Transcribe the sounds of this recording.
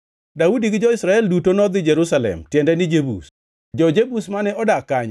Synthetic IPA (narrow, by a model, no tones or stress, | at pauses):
daudiɡɪd͡ʒɔɪsɾaɛldutonɔd̪ɪd͡ʒɛɾusalɛ̰mtjɛndɛnɪd͡ʒebṵs | d͡ʒɔd͡ʒebusmanɛʔɔdakaɲ